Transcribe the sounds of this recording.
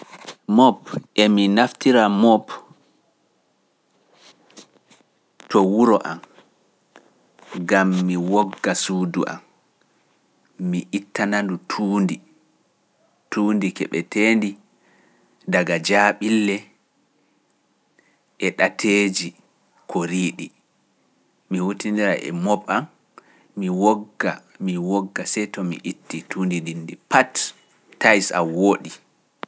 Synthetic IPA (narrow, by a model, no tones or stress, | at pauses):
mɔpʔɛminaftiɾamɔp | tɔwuɾɔʔam | ɡamːiwɔɡːasuːduʔa̰m | iʔitʰːanandutʰuːndi | tuːndikɛ̰ɓɛtʰendi | daɡad͡ʒaɓilːɛ | ʔɛɗatʰeːd͡ʒi | kʰɔɾiːɗi | mihutindiɾaʔɛ̰mɔbam | miwɔɡːamiwɔɡːasɛjtɔmḭʔitːitʰundindinːdipatː | ajsa̰woːɗi